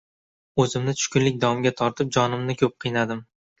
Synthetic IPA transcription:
ɵzɪmnɪt̪ʰʊ̥ʃkʲʊnlɪk̚ʲd̪ɒɒmɡʲat̪ʰɒɾt̪ʰɪp̚d͡ʒɒnɪmnɪkʲʰɵp̚qʰɨjnad̪ɪm

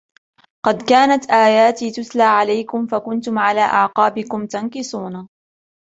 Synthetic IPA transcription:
qɑd̪kaːnat̪ʔaːjaːt̪iːt̪ʊslaːʕalajkʊmfakʊnt̪ʊmʕalaːʔaʕqɑːbɪkʊmt̪ankɪsˤuːna

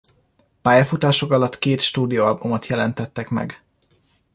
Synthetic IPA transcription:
paːjɒfut̪aːʃo̞kɒlɒt̪keːt̪ʃt̪uːd̪ijoɒlbumot̪jɛlɛnt̪ɛt̪ːɛkmɛ̰ɡ

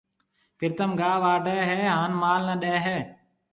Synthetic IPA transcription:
pʰɪɾt̪əmɡaːʋaːɖəːɦeːɦaːnmaːlnəɗeːɦeː

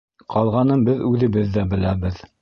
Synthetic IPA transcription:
qʰɑlˠʁɑnɤmbɘðʉðɘ̆βɘðːæbɘ̆læbɘð

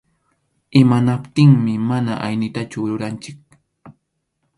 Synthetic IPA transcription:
ɪmanapt̪ɪŋmɪmanaʔajnɪt̪at͡ʃʊɾʊɾant͡ʃɪk̚

